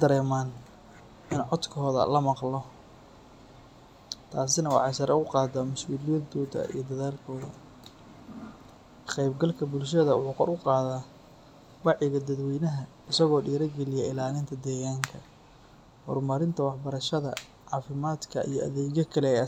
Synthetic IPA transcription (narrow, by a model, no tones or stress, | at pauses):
d̪ɐɾɛːmaːn | ʔɪnʕɔd̪kʰɔːðɐ̰lɐmɑqlɔ | t̪ʰaːsɪnɐwɑ̰ħɑjsɐɾʔɛʊqɑːd̪ɐmʊsuːlɪjɛd̪ɔːðɐ̰ḭjɞd̪ɐðaːlkʰɔːðɐ | qɛjbɡɐlkʰɐbʊlʃɐðɐwʊħuːqɔ̰ɾʊqɑːðaː | wɑʕɪɣɐd̪ɐd̪wɛjnɐɦɐ | ɪsɐɣɔːɖiːɾɐɡɛlɪjɛɪlaːlɪnt̪ʰɐd̪ɛːɣaːŋkʰɐ | hɔ̰rmɐɾɪnt̪ʰɐwɑħbɐɾɐʃɐðɐ̰ | ʕɑːfɪmaːd̪kʰɐʔḭjɞʔɐ̰ðɛːɣɐkʰɐlɛːjɐ